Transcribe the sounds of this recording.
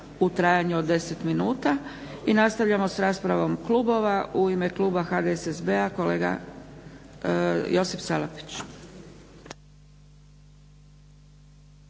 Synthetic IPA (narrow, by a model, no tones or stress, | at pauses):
ut̪ɾaːjaɲuod̪ːe̞se̞t̪minuːt̪a | inast̪aʋʎamo̞sɾaːspɾaʋo̞mklubo̞ʋauime̞klˠuːbaxad̪esezbeako̞le̞ːɡa̰ | jo̞sifsalapi̥t͡ɕ